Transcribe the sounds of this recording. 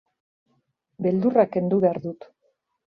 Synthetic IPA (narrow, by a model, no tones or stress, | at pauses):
be̞ld̪urake̞nd̪uβe̞aɾðut̪